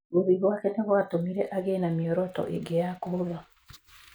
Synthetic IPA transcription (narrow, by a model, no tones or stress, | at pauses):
oðiɣwakɛneɣwatomiɾɛʔaɣenamjɔɾɔtɔ̰ʔḛɡejakoða